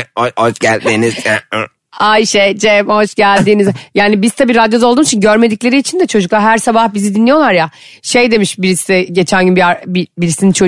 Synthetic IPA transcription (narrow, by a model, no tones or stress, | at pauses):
ohoʃɟælʲd̪iːniz̥ | ajʃejd͡ʒemho̞ʃɟælʲd̪iːnizjaːnibiz̥t̪ʰabiːɾad̪jo̞d̪aolˠd̪uːnit͡ʃʰinɟøɾme̞d̪iclʲe̞ɾiːt͡ʃʰind̪ɛt͡ʃʰo̞d͡ʒuklˠaɾɦæɾsabahbizid̪inlijo̞lˠaɾja | ʃejd̪e̞miʃbiɾisizɛɟe̞t͡ʃʰænʲɟynbiabibiɾisinint͡ʃʰo